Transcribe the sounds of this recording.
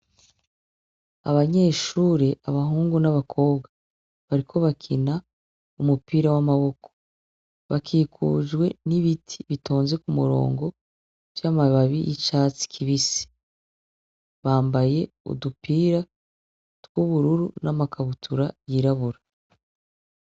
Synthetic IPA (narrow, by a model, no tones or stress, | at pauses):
a̰βaɲe̞ːʃuːɾeʔaβaɦuːŋɡunaβakʰo̞ːbɡa | βaɾikʰo̞βakʰina | umupiːɾawamaβo̞kʰo̥ | βakʰiːkṵːʒɡwe̞niβitʰi̥βitʰo̞ːnze̞kumuɾo̞̰ːŋɡo̞ | vjamaβaβijʔit͡ʃaːt͡si̥kʰiβisi̥ | βaːmbaje̞ | ṵdupiːɾa | tɡ̥uβuɾuɾunamakʰaβutʰuɾajiɾaβuɾa